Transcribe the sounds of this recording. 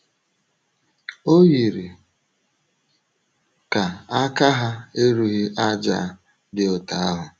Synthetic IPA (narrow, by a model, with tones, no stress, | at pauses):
o˦ɣi˨ɾi˨ | ka˨a˦ka˦ɦa˦e˦ɾu˦ɦi˦ʔa˦d͡ʒa̰˦ | dɪ˦ɔ˨ta˨˦a˦ɦʊ˨